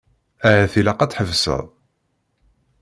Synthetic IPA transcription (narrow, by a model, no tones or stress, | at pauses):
æʕæθilæqɑt͡sħəvsə̰ðˤ